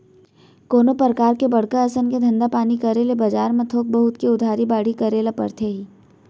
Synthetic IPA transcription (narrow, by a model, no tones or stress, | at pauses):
koːnopɾəkaːɾkebɐɽkaɐsənked̪ʱə̃nd̪apaːnikɐɾeːlebɐd͡ʒaːɾmẽt̪ʰoːk̚bɐɦʊt̪keʊd̪ʱaːɾibaːɽ̤ikɐɾeːlapɐ̰ɾt̪ʰeɦiː